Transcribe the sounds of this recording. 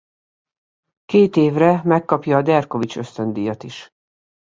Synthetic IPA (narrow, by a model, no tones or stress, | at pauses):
keːt̪eːvrɛmɛkːɒpjɒːd̪ɛrko̞vit͡ʃø̞st̪ø̞nd̪ijɒt̪iʃ